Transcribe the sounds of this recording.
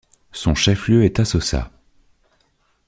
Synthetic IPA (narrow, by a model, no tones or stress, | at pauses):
sɔ̃ʃɛfljøɛt̪asɔsa̰